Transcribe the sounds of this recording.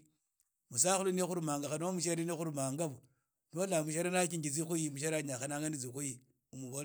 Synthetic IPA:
mus̬axulunexuɾumaŋɡaxanamuʃ̬aɾinexuɾumaŋɡabu | nolamuʃ̬aɾinak̬iŋɡid͡zixujimuʃ̬aɾaɲaxanaŋandid͡zikuji | umuβo

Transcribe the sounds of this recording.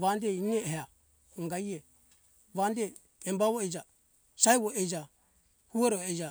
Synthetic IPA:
ʋandɛinɛɦa | ŋɡaiɛ | ʋandɛː | mbaβɔɛd͡ʒa | saɛβɔʔɛd͡ʒa | huɔɾɔɛd͡ʒa

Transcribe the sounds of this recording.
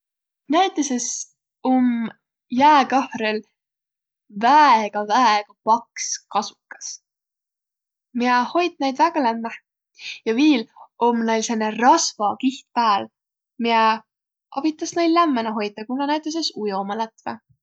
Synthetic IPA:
næjt̪ːˑeses | um | jæːkɑhɾel | væɡ̥ɑvæeɡ̥ɑpɑkskɑsu̥kːɑ̥s | mieho̞jt̪̚næjd̪væɡ̥ɑlæmːe | jɑviːlomːnejlsenːerɑsvɑkiht̪̚pæːl | mie | ɑ̰b̥it̪ˑːɑsnejllæmːenɑɦo̞jt̪ːˑɑkunːɑnæjt̪ˑːes̬esujo̞mɑlæt̪vḛ

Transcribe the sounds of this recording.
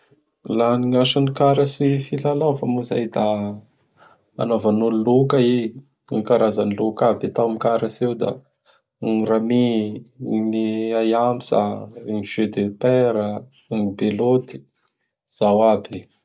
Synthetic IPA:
laniŋaʃanikaɾasifilalawfamuza̰jd̪a | a̰navanululukai | ŋkaɾazanlukabat̪awmikaɾasewd̪a̰ | ŋɾami | niajamisa̰ŋʒed̪epeɾə | ŋibelot̪i̥ | z̥awabi

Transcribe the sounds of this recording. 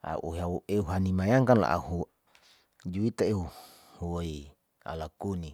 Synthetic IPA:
a̰ʔṵɦaueuɦanimajaŋkanla̰ʔa̰hu | d͡ʒuit̪aeu | hui | a̰lakuni

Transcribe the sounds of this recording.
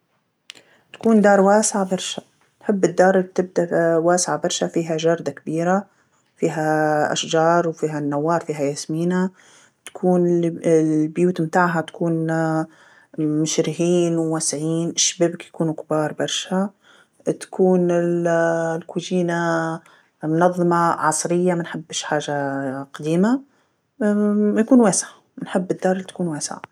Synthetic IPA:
t̪ḁkuːnd̪ɑːɾˤwaːsɪʕabɑɾˤʃa | nħɪbːɪd̪ːɑːɾˤt̪ɪb̚d̪awaːsʕabɑɾˤʃafiːɦaʒɑɾˤd̪akbiːɾa | fiːɦaʔa̰ʃd͡ʒɑːɾˤwfiːɦanːawːɑːɾˤfiːɦajasmiːna | t̪ḁkʰuːnɪ | bjuːt̪mt̪aːʕɦat̪ḁkuːn | mʊʃɾɪɦiːnwwasʕiːnɪʃbɪbkjakuːnukbɑːɾˤbɑɾˤʃa | t̪ḁkʰuːnɪllkuːd͡ʒiːna | mʊnɑðˤːɨmɑʕɑsˤɾɪjːamanħɪbːɪʃħaːʒaqɑd̪iːma | jakuːnwaːsʕa | mɪnħɪbːɪd̪ːɑːɾˤɪlt̪ḁkuːnwaːsʕa̰

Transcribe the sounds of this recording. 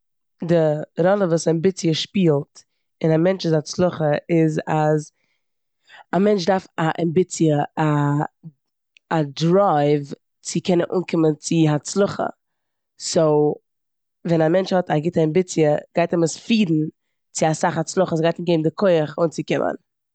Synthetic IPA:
dɪɾɔlˠəvuːsaɛmbɪt͡siəʃpiːlˠt | ɪnamɛnt͡ʃɪzat͡slˠʊχəɪzaz | amɛnt͡ʃdaɾfaʔɛmbɪt͡siəa | adɾaɪv | t͡sɪkʰɛnənʔṵːnkɪmənt͡sɪɦat͡slˠʊχə̰ | soʊ | vɛnamɛnt͡ʃhɔtaɡɪtəɛmbɪt͡sjəɡ̥aɪtɛməsfiːdn̩ | t͡sɪasaχat͡slˠʊχəs̬ɡaɪtmɡeɪbmdɪkʰoɪəχʊnt͡sɪkɪmʔə̰n

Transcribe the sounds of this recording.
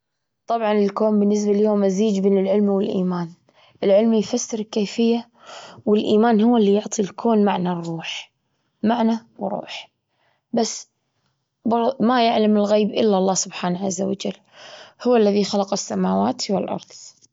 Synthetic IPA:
t̪ˤɑbʕɑnɪlkoːmbɪnːɪs̬balɪljoːmʔaziːd͡ʒbeːnɪlʕɪlmwɪlʔiːmaːn | ʔɪlʕɪlmjfasːɪɾkeːfɪjːa | wɪlʔiːmaːnhʊwːɪlːijʊʕt̪ˤʰilkʰoːnmaʕnarˤːuːħ | maʕnawɾˤṵːħ | basː | bɑɾmajaʕlamɪlɣeːbʔɪlːaʔlˤːɑːsʊbħaːnʕazːawa̰d͡ʒalː | hʊwːalːaðixalɑqɪsːamaːwaːt̪wɪlʔɑ̰ɾˤðˤ

